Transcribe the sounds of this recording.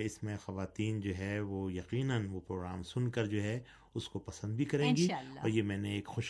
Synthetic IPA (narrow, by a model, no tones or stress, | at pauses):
ɪsmẽxɐʋaːt̪iːnd͡ʒoːɦɛʋojɐqiːnənʋopɾoːɡɾaːmsʊnkɐɾd͡ʒoːɦɛ | ʊskopɐsə̃nd̪bʱikɐɾẽːɡiiɔːɾjemɛ̃ːneeːkxʊːʃ